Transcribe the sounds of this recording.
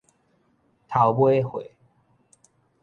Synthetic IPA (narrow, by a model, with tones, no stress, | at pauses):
t̪ʰa˨˦ʊpwe˥˦xwe˨˦